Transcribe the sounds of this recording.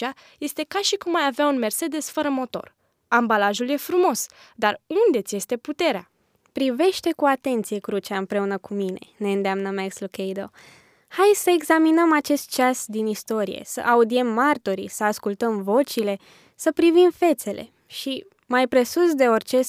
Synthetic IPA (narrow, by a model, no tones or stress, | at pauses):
a | je̞st̪e̞kaʃikumːajaveaunme̞rse̞d̪e̞sfəɾəmo̞t̪o̞̰r | ambalaʒulje̞fɾumo̞s | d̪arund̪e̞t̪sʲje̞st̪e̞put̪e̞ɾea̰ | pɾive̞ʃt̪e̞kuat̪e̞nt̪sije̞kɾut͡ʃaɨmpɾe̞unəkumine̞ne̞ɨnd̪eamnəmekslukejd̪o̞ | hajsəeɡzaminəmat͡ʃe̞st̪̚t͡ʃasd̪inist̪o̞ɾije̞̰sə̰ʔaud̪ie̞mːart̪oɾḭsəaskult̪əmvo̞t͡ʃile̞ | səpɾivimfe̞t̪se̞lʔe̞̰ | ʃi | majpɾe̞susd̪e̞o̞rʲt͡ʃe̞